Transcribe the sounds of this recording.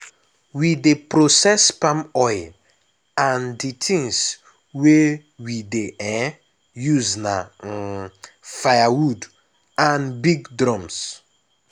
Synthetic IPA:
widepɾosɛspãmɔjl | ãnditʰĩns | we | wideʔɛ̃ | juznã | fajawud | ãnbiɡdɾɔ̃ms

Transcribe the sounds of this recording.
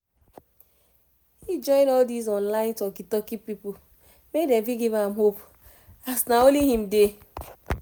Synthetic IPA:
hid͡ʒɔ̃ɪ̃nɔldizɔ̃nlãɪ̃ntɔkitɔkipipu | medɛmfiɡivãmɦop | asnaolihĩm̩de

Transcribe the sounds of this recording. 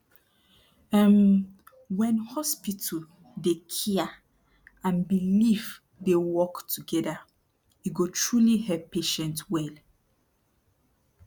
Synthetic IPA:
ɛm | wɛ̃nhɔspitʰəl | dekʰia | ãnbiliv | dewɔktuɡɛda | iɡotɹuliɦɛppeʃɛ̃ntwɛl

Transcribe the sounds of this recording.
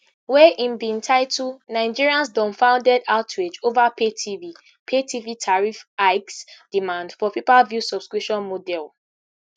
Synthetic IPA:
wɛʔĩnbĩntʰaɪtʰunaɪd͡ʒiɹiãnsdɔ̃nfãʊ̃ndɛdaʊtʰɹed͡ʒovapetʰivi | pʰetʰivitʰaɹifaɪksd̥imãndfɔpipalvjusɔb̥skɹiʃɔ̃nmodɛl

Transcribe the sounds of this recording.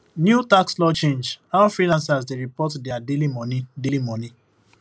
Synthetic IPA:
njutakslɔt͡ʃẽnd͡ʒhaʊfɹilãnsasdeɹipɔtdɛadelimɔnidelimɔ̃ni

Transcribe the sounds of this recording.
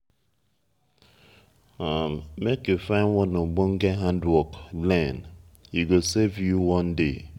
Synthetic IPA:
ammekjufãɪnwɔnoɡ͡boŋ̩ɡeɦãndwɔklɛ̃n | jiɡosevjuwɔ̃nde

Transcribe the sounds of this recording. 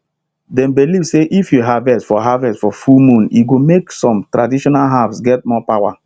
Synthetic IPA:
dɛ̃nbilivseʔifjuɦavɛstfɔɦavɛstfɔfumũnḭɡomeksɔ̃mtɾadiʃɔnalɦavsɡɛt̚mɔpawa̰

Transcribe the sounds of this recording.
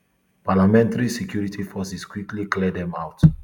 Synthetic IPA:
palamɛ̃ntaɹisɛkjuɹitʰifɔsiskwikliklɛdɛ̃maʊt

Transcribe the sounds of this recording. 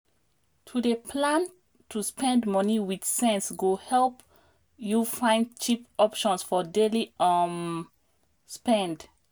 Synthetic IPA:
tʰudepʰlãn | tʰuspɛ̃ndmɔniwidsɛ̃nsɡohɛlp | jufãɪ̃ndt͡ʃipɔpʃɔ̃nsfɔdeliʌm | spɛ̃nd

